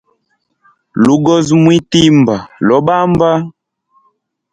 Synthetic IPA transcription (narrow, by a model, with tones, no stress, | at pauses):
lu˨ɡɔ˦zmwi˦ti˦mba˨lɔ˨˦ɓa˦mba˦